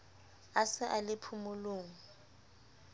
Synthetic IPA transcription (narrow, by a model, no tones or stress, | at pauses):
asɪʔalɪpʰumʊloːŋ̩